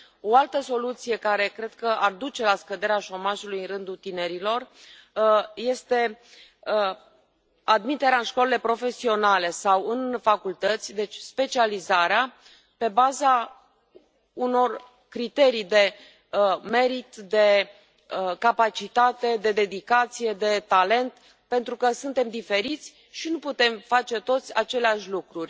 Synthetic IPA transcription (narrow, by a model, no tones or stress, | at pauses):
o̞alt̪əso̞lut̪sije̞kaɾe̞kɾe̞d̪kəʔard̪ut͡ʃe̞laskəd̪e̞ɾeaʃo̞maʒulujɨnrɨnd̪ut̪ine̞ɾilo̞r | je̞st̪e̞ | ad̪mit̪e̞ɾeaɨnʃkolelepɾo̞fe̞sio̞nale̞sawɨnfakult̪ət̪sʲd̪e̞t͡ʃʲspe̞t͡ʃializaɾea | pe̞baza | uno̞r | kɾit̪e̞ɾijd̪e̞ | me̞ɾit̪d̪e̞ | əkapat͡ʃit̪at̪e̞d̪e̞d̪e̞d̪ikat̪sije̞d̪e̞t̪ale̞nt̪ | pe̞nt̪ɾukəsunt̪e̞md̪ife̞ɾit̪sʲ | ʃinuput̪e̞mfat͡ʃe̞t̪o̞t̪sʲat͡ʃe̞leaʃʲlukɾurʲ